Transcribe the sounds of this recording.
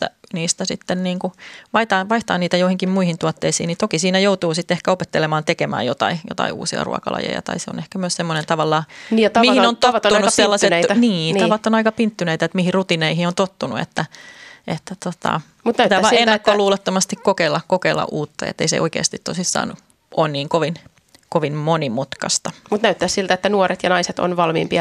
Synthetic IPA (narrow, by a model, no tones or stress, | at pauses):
æ̰niːst̪æsit̪ːenniːŋkuʋɑit̪ɑːʋɑiht̪ɑːnniːt̪æjoihiŋkimmuihint̪uɑt̪ːeisḭːnit̪okisiːnæjout̪uːsit̪ːehkæopet̪ːelemɑːnt̪ekemæ̰ːjot̪ɑ̰ijo̰t̪ɑ̰iṵːsiɑ̰rṵɑ̰kɑ̰lɑ̰jḛjɑ̰t̪ɑ̰iseo̰nehkæmyøssemːonent̪ɑʋɑlːɑːmihinont̪ott̪ːunusselːɑset̪niːnɑʋɑt̪ːonɑikɑpint̪ːyneit̪æet̪mihirrut̪ineihiont̪ot̪ːunṵḛt̪ːæʔet̪ːæt̪ot̪ɑ̰ | mut̪næyt̪æːʋɑeːɑkːoluːlɑt̪ːomɑst̪ikkokeilːɑkkokelːɑ̰ʔʔuːt̪ːɑjḛt̪ːḛisḛʔoikḛːst̪it̪t̪osisːɑ̰ːnu | ʔoːnniːŋkoʋin | koʋinmonimut̪kɑst̪ɑmut̪næyt̪ːæssilt̪æet̪ːænuoɾet̪jɑnɑiset̪o̰nʋɑlmḭːmpiɑ